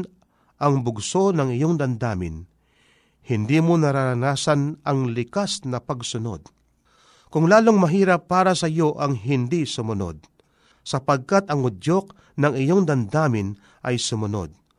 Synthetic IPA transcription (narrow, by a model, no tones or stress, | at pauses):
ʔɐŋbʊɡso̞nɐŋɪjoŋd̪ɐnd̪aːmɪ̰n | hɪnd̪iːmonɐɾaɾɐnaːsɐnʔɐŋlɪkasnɐpɐɡsʊno̞̰d̪̚ | kʊŋlaːloŋmɐɦiːɾɐpːaːɾɐsɐjo̞ʔɐŋɦɪnd̪isʊmʊno̰d̪̚ | sɐpɐɡ̚kat̪ɐŋʊdjo̞k̚ | nɐŋɪjoŋd̪ɐnd̪aːmɪn | ʔɐjsʊmʊno̞̰d̪̚